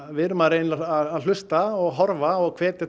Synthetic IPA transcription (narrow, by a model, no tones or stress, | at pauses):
vɪɾmaɾenaaðaðl̥ʏst̪aɔɣɦɔɾvaɔɣkʰvɛːt̪ɪ